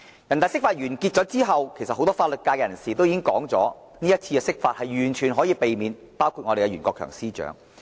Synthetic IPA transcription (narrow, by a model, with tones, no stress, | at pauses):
jɐ˨˩nt̪a˨˩sɪ˥kfaː˧t̚jyː˨˩nki˧t̚t͡sɔː˨˥t͡siː˥ɦɐ˨wkʰe˨˩jsɐt̚ho˧wt̪ɔː˥faː˧t̚lɵ˨t̚kaː˧jkɛ˧jɐ˨˩nsiː˨˩t̪o˥wji˨˥ɪ˥ŋkɔ̰ː˨˥ŋt͡sɔ̰ː˨˥ | niː˥jɐ˥t̚t͡sʰiː˧kɛː˧sɪ˥k̚faː˧t̚hɐ˨jɥyː˨˩nt͡ʃʰyː˨˩nɦɔː˨˥jiː˧pe˨jmiː˨˧n | paː˥wkʰuː˧t̚ŋɔ˨˧ɾe˨˩kɛ˧ɥyː˨˩nkɔː˧kʰœ̰ː˨˩ŋsiː˥t͡ʃœ̰ː˨˥ŋ